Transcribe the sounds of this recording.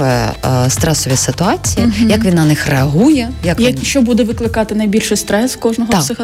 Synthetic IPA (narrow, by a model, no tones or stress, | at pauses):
ʋɛst̪ɾɛsɔʋʲisɪt̪ʊɑt͡sʲijijɐkʋʲinnɐnɪxreɐɦujɛjɐkjɐʃt͡ʃɔbud̪ɛʋɪklˠɪkɑt̪ɪnɐjbʲilʲʃɪjst̪ɾɛskɔʒnɔɦɔsɪx